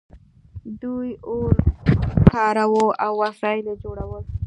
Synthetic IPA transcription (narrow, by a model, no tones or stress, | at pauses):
d̪ujoɾkʰɑɾawoawːasɑjled͡ʒoɽawəl